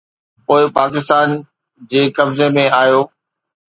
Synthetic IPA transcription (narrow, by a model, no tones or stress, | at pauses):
poːɪpaːkɪst̪aːn | d͡ʑeːkɐbzemẽaːjoː